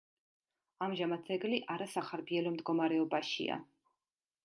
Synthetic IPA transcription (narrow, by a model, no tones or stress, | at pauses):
amʒamat̪sɛɡliʔaɾasaχaɾbiɛlɔmd̪ɡɔmaɾɛɔbaʃḭa̰